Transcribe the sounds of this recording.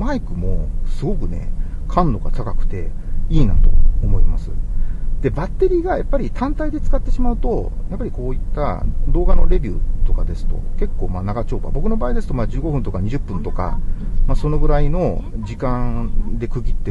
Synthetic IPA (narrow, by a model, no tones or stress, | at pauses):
maikɯ̟mo̞sɨɡo̞kɯ̟ne̞̰ | kʰãnd̪o̞ɡat̪akakɯ̟̥t̪e̞ | iːna̰t̪o̞̰ːmo̞ima̰sɨ̥d̪̥e̞bat̪ːe̞ɾʲiːɡajapːaɾʲit̪ʰãnt̪aid̪e̞t͡sɨ̥kat̪ːe̞ɕimaɯ̟t̪o̞japːaɾʲiko̞ːit̪ːa̰d̪o̞ːɡano̞ɾe̞bʲɯːt̪o̞kad̪e̞sɨ̥t̪o̞̰ke̞kːo̞ːmaːnaɡat͡ɕo̞ːba̰bo̞kɯ̟no̞baːid̪e̞sɨ̥t̪o̞mad͡ʑɨːɡo̞ɸɯ̟̃nt̪o̞kaɲ̟iʑɨpːɯ̟̃nt̪o̞ka̰maso̞no̞ɡɯ̟ɾaino̞ | d͡ʑikãŋd̪e̞kɯ̟ɡʲit̪ːe